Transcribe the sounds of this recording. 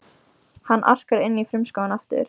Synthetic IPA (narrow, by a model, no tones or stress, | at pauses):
hanːʔa̰r̥kaɾɪnːifɾʏmskawanaft̪ʏ̰ɾ̥